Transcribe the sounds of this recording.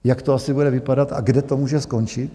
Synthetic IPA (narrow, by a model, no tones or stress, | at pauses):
jakt̪oasɪbudɛvɪpadat̪a̰ɡdɛt̪o̞muːʒɛsko̞nt͡ʃɪt̪